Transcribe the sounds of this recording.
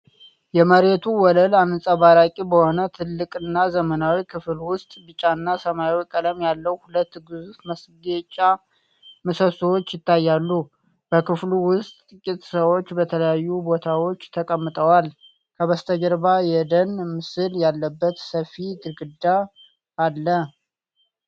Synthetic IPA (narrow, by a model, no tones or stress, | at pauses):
jɛməɾet̪ʰuwɔləlanɨsʼaβaɾakʼibəho̞nət̪ʰɨlːɨkʼɨnːazəmənawikʰɨflwʊst̪ʼbɨt͡ʃʼanːasəmajwkʼələmjalːəwhulət̪ːɡɨzufməsɡet͡ʃʼːa | məsəswo̞t͡ʃːjɪt̪ːajːalːu | b̥əkɨfluwʊst̪ːʼɨkʼːit̪ʼsəwo̞t͡ʃːbət̪ʰələjajːubo̞t̪ʰawo̞t͡ʃːt̪ʰəkʼəmːɨt̪ʼəwal | kʰəβəst̪ʰəɡəɾbajɛd̪ənmɨsɨljalːəbːət̪səfːid̪ɨɾɡɨd̪aː | lːə